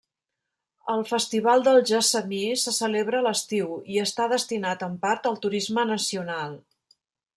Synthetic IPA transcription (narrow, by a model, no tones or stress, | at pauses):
əlˠfəst̪iβalˠd̪əlˠʒəsəmisəsəleβɾəːləst̪iwiəst̪aðəst̪inat̪əmpaɾt̪əlˠt̪uɾizmənəsiunalˠ